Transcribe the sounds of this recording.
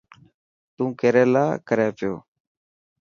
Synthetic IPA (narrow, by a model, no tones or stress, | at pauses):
t̪ũːkeːɾeːla̰ːkəɾjãːpɪjo̰ː